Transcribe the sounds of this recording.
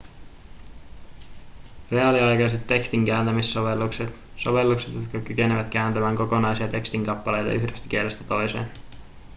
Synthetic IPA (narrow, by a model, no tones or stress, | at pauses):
re̞ɑliɑjkɑjse̞t̪ːe̞kst̪iŋk̟æːnt̪æmisːoʋelːukset̪ | so̞̰ʋe̞lːukse̞t̪jot̪kɑkyke̞neʋæt̪k̟æːnt̪æmæːŋko̞ko̞nɑjsiɑt̪e̞kst̪iŋkɑpːɑlejt̪ɑ̰ʔyhdest̪æ̥k̟ieɾest̪æt̪o̞jsḛːn